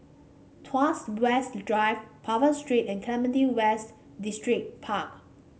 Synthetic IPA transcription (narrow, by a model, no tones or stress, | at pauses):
tʰwaswɛstdɹajvpʰavəstɹitɛ̃nkʰlɛmə̃diwɛst | distɹik̚pʰak̚